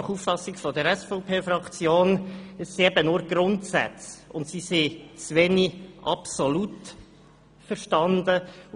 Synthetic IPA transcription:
χuffɑsɪɡfɔd̪əɾɛsfɔʊpʰeːfrɑkt͡sjoːnəsːiɛbənʊɾɡ̥ɾʊntsæ̰t͡sʊntsiset͡sʋɛniʔɑpsolut | fəɾʃtɑnd̪ə

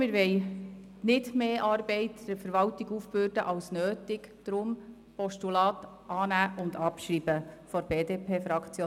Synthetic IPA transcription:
mɪɾʋɛɪ | nɪdmeːʔɑːɾbɛɪtd̥əɾfəɾʋɑltɪɡufbøːɾd̥ə̰ʔɑwsnøːtɪkd̥ɾʊm | pɔʃtulɑːt | ʔɑːnæːʔʊndɑpʃɾiːb̥əfɔɾbeːdeːpʰeːfɾɑkt͡sjoː

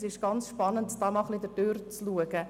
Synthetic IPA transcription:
sɪʃɡ̥ɑnt͡sʃpɑnəntd̥ɑːmɑχlidədøːɾt͡sluəɡ̥ə

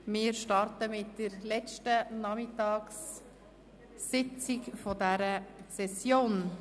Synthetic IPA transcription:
mɪːɾʃtɑɾtəmɪtd̥əɾlɛt͡ʃtənɑmɪtɑːks | ɪt͡sɪkfɔdæɾəsɛsjoːn

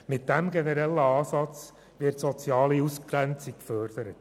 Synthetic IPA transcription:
mɪt̚d̥æmɡenəɾɛlːəɑːsɑt͡s | ʋɪtsɔt͡sjɑːliuskɾænt͡sikkfœɾd̥əɾət

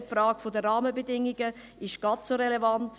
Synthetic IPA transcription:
pfraːɡ̥fodəraːməbedɪŋːiɡə | ɪʃɡ̥ɑtsoɾelevant

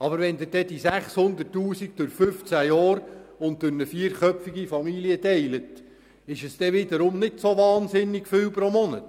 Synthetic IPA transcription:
ɑbəɾʋɛnd̪ɪɾd̥ɛd̥isæχshʊnd̪ətːuːsiɡ̚d̥ʊɾfʏft͡sæjɑːɾʊnt̚d̥ʊɾnəfiːəɾχœpfiɡifɑmiliətɛɪlət | ɪʃəsd̥̪ɛʋɪd̪əɾʊmnɪdsoʋɑːnsɪnːɪɡfʏwpɾomɔnət

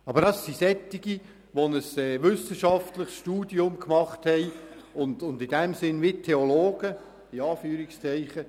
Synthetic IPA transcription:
ɑbədɑsːisɛt̪ːiɡi | ʋɔnəsɛːʋʏsəʃɑftləχsʃtuːd̥iʊmkmɑχthɛɪʊndʊndɪdɛmsɪnʋitʰeɔloːɡ̥ə | ɪɑːfyːɾikst͡sɛɪχə

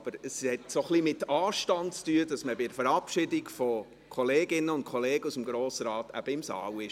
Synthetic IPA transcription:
b̥əɾəshɛtsoχlimɪtɑːʃtɑntt͡styːədɑsməbɪdəfəɾɑpʃɪdɪɡfo | kʰɔleːɡɪnəʊnt̚kʰχɔleːɡəusəmɡɾoːsɾɑːtæ̰b̥əɪmsɑ̰ːwɪ

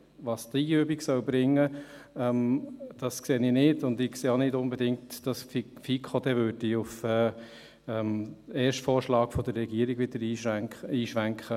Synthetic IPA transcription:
ʋɑːst̪iːyːbiɡsœʊbɾɪŋːəɛmd̥ɑskseːnɪnɪdʊndɪkseːonɪdʊnbɛdɪŋtd̥ɑsffikʰodɛvøːdiʊfɛː | ɛmɛːʃtfɔːɾʃlɑːɡ̥fɔd̥ərːɛɡ̥iəɾiɡʋɪd̪̥əɾiːʃæŋəiːʃʋæŋkχə

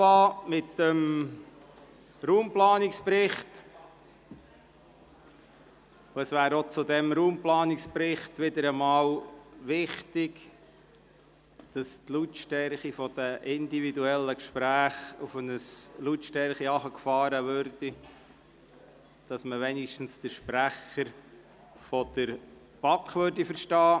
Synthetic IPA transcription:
ɑːmɪt̪əm | ɾuːmplɑːnɪkspɾɪχt | ʊəsʋæːɾot͡sud̪ɛmɾuːmplɑːnɪkspɾɪχtʋɪd̪əɾəmɑːwʋɪχtɪɡ | d̥ɑstlutʃtɛɾχifɔd̥̪əʔɪnd̪ividuɛlːəkʃpɾæːχufənəslutʃtɛɾχiɑχəkfɑːɾəʋøɾd̥i | d̥ɑsməʋɛnɪʃtən̩sd̥əʃpɾæχəɾ | fɔd̥̪əɾ | b̥ɑkʰʋøɾdifəɾʃtɑː

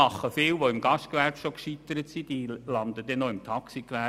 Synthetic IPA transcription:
ɑχːəfɪːwʋoɪmɡɑʃtkʋærpʃokʃit̪ːəɾət̪sid̥̪ilɑnd̪əd̥̪ɛnoɪmt̪ʰɑksikʋæ

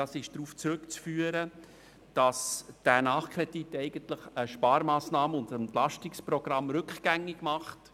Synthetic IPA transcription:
ɑsɪʃd̥ɾuːft͡sɾʉkt͡sfyːəɾə | d̥ɑsd̥ænɑːχkʰrɛditːɛɪɡ̥ənt̪ləχəʃpɑːɾmɑːsnɑːməʊndəɛntlɑʃtɪksprɔɡ̥ɾɑmɾʏkχɡ̥æŋːɪɡ̥mɑχt

